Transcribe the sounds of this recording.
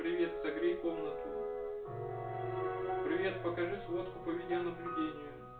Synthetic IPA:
pɾʲɪvʲet̪sɐɡɾʲijkomnət̪ʊ | pɾʲɪvʲe̞t̪pəkɐʐɨsvot̪kʊpɐvʲidʲɪjənəblʲʊdʲenʲɪjʊ

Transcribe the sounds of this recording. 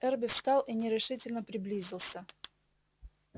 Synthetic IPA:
ɛrbʲɪfst̪ɑlˠʔinʲɪɾʲɪʂɨtʲɪlʲnəpɾʲɪblʲizʲɪlˠsʲə

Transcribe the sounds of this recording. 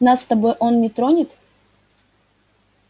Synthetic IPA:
nasːt̪ɐbo̞jʔo̞nnʲɪt̪ɾonʲɪt̪

